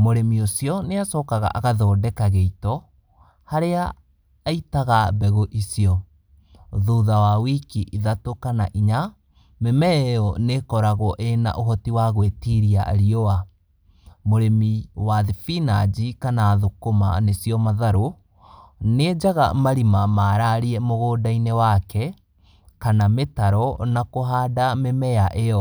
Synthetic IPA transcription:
moɾemiosiɔneasɔːkaɣa̰ʔaɣaðɔːdɛkaɣeitɔ | haɾeaː | itaɣabɛɣoʔisiɔ | ðuðawawikiʔiðatokanaʔiɲa | memɛɔnekɔɾaɣɔʔena̰ʔoɦɔtiwaɣwetiɾiaa̰ɾiɔa | moɾemiwaðifinad͡ʒikanaːðokoma̰nesjɔmaðaɾo | ned͡ʒaɣa̰maɾimamaːɾaɾiɛmoɣoːdainewakɛ | kanametaɾɔnakoɦaːdamemɛjaʔeɔ

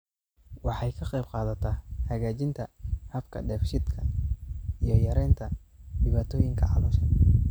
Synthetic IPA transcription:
wɑħɑjkʰɐqɛjb̚qɑːðɐt̪ʰɐhɐɣaːt͡ʃɪnt̪ʰɐhɐfkʰɐ̰ɖɛːfʃɪd̪kʰɐ | ijɞjɐɾɛjnt̪ʰɐ | ɖɪβaːt̪ʰɔːjɪŋkʰɐ̰ʕɑlɔːʃɐn

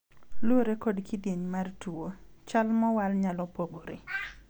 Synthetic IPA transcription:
lʊoɾekodkidjeɲmartuo | t͡ʃalmɔwalɲalɔpoɡoɾḭ

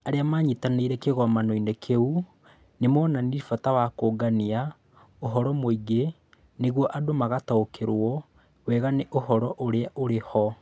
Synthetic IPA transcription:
aɾeamaːɲitaneiɾɛkeɣɔmanoinɛkʰeu | nemɔnanifatawakoːɡania | oɦɔɾɔmoiɡe | neɣwɔʔadomaɣataokʰeɾwɔ | wɛɣaneʔohɔɾɔʔoɾeaʔoɾehɔ

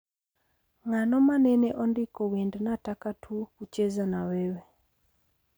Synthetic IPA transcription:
ŋanɔmanɛnɛʔɔndɪkɔwendnatakatʰukut͡ʃezanawɛwɛ

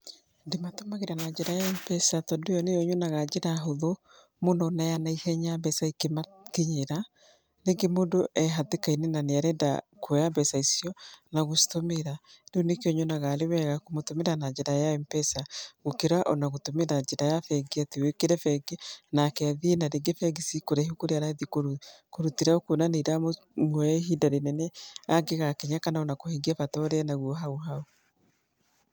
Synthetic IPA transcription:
dematomaɣeɾanad͡ʒɛɾajaɛmpɛsatɔdojɔnejɔɲonaɣad͡ʒeɾaɦoðo | monɔnajanaihɛɲabɛsaikema | keɲeɾa | neɡemondoʔɛɦatekainenaneaɾɛnda̰ | kwɛjabɛsaisjɔnaɣostomeɾadonekɔɲonaɣalewɛɣakomotomeɾanad͡ʒɛɾajaɛmpɛsaɣokeɾaʔonaɣotomeɾad͡ʒeɾajafɛɡeatewekeɾɛfɛɡenakɛaðienaɾeɡefɛɡisikoɾɛɦokoɾeaɾaðikoɾ | koɾutiɾaokonaneɾamo | ŋwɛɦidaɾenɛnɛaɡeɣaakeɲakanaonakoheŋɡiafatɔɾɛanaɣuɔɦaoɦao

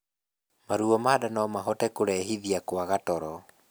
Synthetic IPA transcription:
maɾuɔmaːdanɔmaɦɔtɛkoɾɛɦiðiakwaɣatɔɾɔ

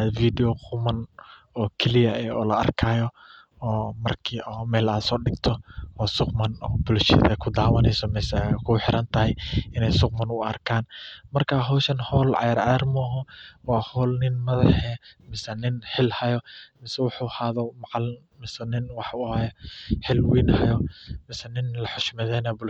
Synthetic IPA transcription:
fiːd̪ɛjɔqʰʊmɐn | ɔːkʰɛlɪjɐɛːɔːlɐʔɐ̰rkʰaːjɔ | ɔːmɐrkʰiːɔːmɛːlaːd̪sɔːɖɪɡt̪ʰɔɔːsʊqmɐnɔːbʊlʃɪ̰ðɛ̰kʰʊd̪aːwɐnɛjsɔmɛsɛkʰʊħɪɾɐnt̪ʰɐɦɛjɪnɛjsʊq̚mɐnʊɐ̰rkʰaːnmɐrkʰaːɦɔːʃɐnhɔːlʕɑ̰jaɾʕɑjarmʊɐɦɔwɑːhɔːlnɪnmɐðɐħɛːmɪsɛnɪnħɪlhɐjɔmɪsɛwɑħʊhaːðɔmɑʕɑl | mɪsɛnɪnwɑħʊhɐjɔħɪlwiːnhɐjɔmɪsɛnɪnlɐħʊʃmɛðɛːnɐbʊ

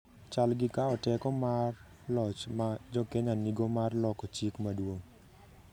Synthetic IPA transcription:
t͡ʃalɡɪkaɔtɛkɔmar | lɔt͡ʃmad͡ʒɔkeɲaniɡomarlɔkɔt͡ʃikmadwoŋ

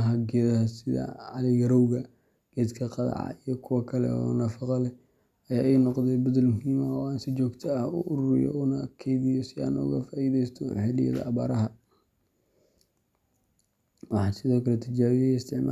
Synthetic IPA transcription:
ɦɐɡɛːðɐɦɐsɪðɐ̰ʕɑlɛɡɐɾɔwɣɐ | ɡ̥ɛːd̪kʰɐqɑðɑ̰ʕɑ̰ijɔkʰʊwɐkʰɐlɛ̰ɔ̰nɐfɑqɑlɛ | ɐjaːʔɛjnɔqd̪ɛjbɐðɐlmʊhiːmɐɔaːnsɪt͡ʃɔːɡt̪ʰɐːhʊ̰ʔʊɾʊɾɪ̰jɔ̰ʊnɐkʰɛðɪjɔsɪa̰ːnʊ̰ɣɐ̰faːiðɛjst̪ʰɔ̰ħɪlɪjɐ̰ðɐ̰ːβa̰ːɾɐɦɐ | wɑħɑːsɪðɔːkʰɐlɛt̪ʰɐt͡ʃaːβɪjɪst̪ʰɪʕma

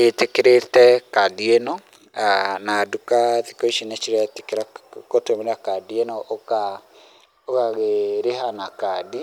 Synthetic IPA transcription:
etekeɾetɛkadienɔ | anadukaðikoiʃinet͡ʃiɾeate̥keɾakotwemeɾeakadienɔoka | okaɣeɾeɦanakadi

